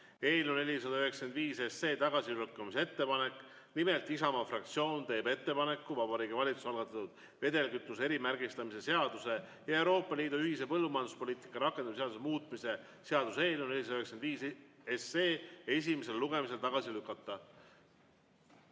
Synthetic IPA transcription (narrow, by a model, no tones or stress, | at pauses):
e̞ːlune̞lʲis̬ɑd̪ɑyɦe̞kske̞nd̪viːsese̞ːt̪ɑɡ̥ɑsilukːˑɑmise̞t̪ːe̞pɑne̞kˑː | nimelt̪ˑisɑmɑfrɑk̚t̪sio̞ːnt̪e̞ːbe̞t̪ːe̞pɑne̞kːuvɑbɑɾiːɡ̥ivɑlʲit̪su̥sɑlɡ̥ɑt̪ːˑɑt̪ud̪̥ | ve̞d̪e̞lkyt̪ˑːuse̞ɾimærɡist̪ɑmise̞se̞ɑd̪̥use̞ | jɑewɾo̞ːpˑːɑliːd̪uyhise̞pɤlːumɑjɑnd̪uspo̞lʲiːt̪ˑi̥kːˑɑɾɑkːˑend̪ɑmseɑd̪usemuːt̪ˑmise̞ | se̞ɑd̪̥use̞ːlune̞lʲis̬ɑyheksend̪viːseseːe̞s̬ʲime̞se̞lluɡe̞mis̬e̞lt̪ɑɡ̥ɑsilykːˑɑt̪ːɑ